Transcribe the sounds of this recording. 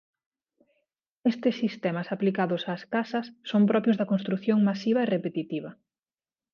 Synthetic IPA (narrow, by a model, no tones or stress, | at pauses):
est̪ɪsːist̪ɛmɐsaplikaðʊsaːskasɐsːompɾɔpɾjozðɐkõnst̪ɾuθjoŋmasiβɐerepet̪it̪iβɐ